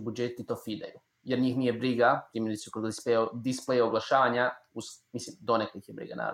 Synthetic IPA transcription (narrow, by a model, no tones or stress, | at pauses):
bud͡ʒet̪it̪o̞fid̪a̰ju | jeɾɲiːxnijebɾiɡat̪ɾimelʲisukoɡd̪isped̪isplejaoɡlˠaʃaːʋaɲausmislimd̪onekoixjebɾḭɡa̰na̰ːɾ